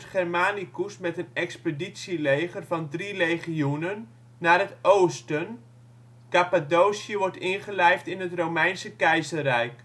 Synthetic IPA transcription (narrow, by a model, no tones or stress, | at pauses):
tχɛrmaːnikusmɛtənɛkspəditsilejχərvɑndrirejχiunənː | aːrɦətowstən | kapadowsjəʋɔɹtɪnχəlɛjftɪnɦətrowmɛjnsəkɛjzərɛjk